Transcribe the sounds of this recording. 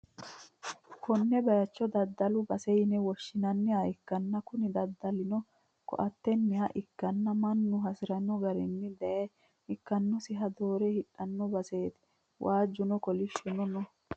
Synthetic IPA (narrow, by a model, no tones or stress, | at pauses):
kɔnːɛbɐjɐt͡ʃːɔd̪ɐd̪ːɐlʊbɐsɛjɪnɛwɔʃːɪnɐnːɪɐjɪkːɐnːɐkʊnɪd̪ɐd̪ːɐlɪnɔ | kɔ̰ʔɐt̪ːɛnːɪhɐʔɪkːɐnːɐmɐnːʊɦɐsɪɾɐnɔɡɐɾɛnːɪd̪ɛjɐ | ɪkːɐnːɔsɪɦɐd̪o̞ːɾɛhɪᶑɐnːɔbɐseːt̪ɪ̥ | wʔaːd͡ʒːʊnɔkɔlɪʃːʊnɔnɔ